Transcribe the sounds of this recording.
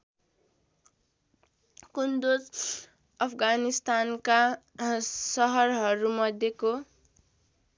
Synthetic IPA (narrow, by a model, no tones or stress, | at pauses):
kund̪od͡z | ʌpʰɡanist̪anka | sʌɦʌrɦʌɾumʌd̪ʱjeko